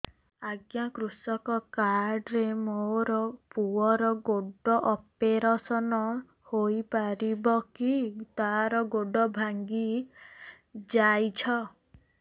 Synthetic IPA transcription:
aɡjakɾusɔkɔkaɾɖɾemoɾɔpuɔɾɔɡoɖɔʔɔpeɾasɔnɔ | hojpaɾibɔkit̪aɾɔɡoɖɔbʱaŋɡi | d͡ʒajt͡ʃʰɔ

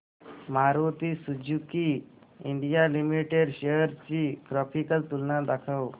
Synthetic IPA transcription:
maɾot̪isud͡ʑuki | iɳɖijalimiʈeɖɕejəɾt͡ɕikɾɔfikəlt̪ulnad̪akʰəw

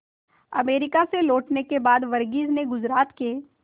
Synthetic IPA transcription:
ɐ̰meːɾɪkaseloːʈnekebaːd̪ʋɐɾɡiːzneɡʊzɾaːt̪ke

